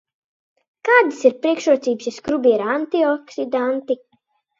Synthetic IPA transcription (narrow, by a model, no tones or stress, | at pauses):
kaːd̪ɨsiɾpɾiɛkʃuɔt̪siːbsiskɾubiɛɾaant̪iɔksid̪ant̪i